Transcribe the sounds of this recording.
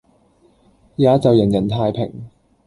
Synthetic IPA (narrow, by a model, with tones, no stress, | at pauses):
jaː˨˧˥t͡sɐ˨wjɐ˨˩njɐ˨˩nt̪ʰaː˧jpʰɪ˨˩ŋ